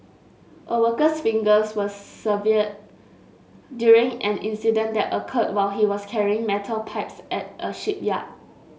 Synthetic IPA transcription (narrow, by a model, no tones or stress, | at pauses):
ʔəwəkəsfĩŋɡəswəsːəviəd̚ | djuɹĩŋʔɛ̃nĩnsidə̃ndɛtəkʰəd̚waɪlɦiwɔskʰɛɹiɪ̃ŋmɛtʰəlpʰaɪpsɛt̚ʔəʃip̚ja̰d̚